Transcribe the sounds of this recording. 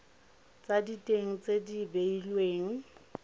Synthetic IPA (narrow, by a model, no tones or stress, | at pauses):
t͡sʼaditʼeŋ̩t͡sʼedibeilweːŋ̩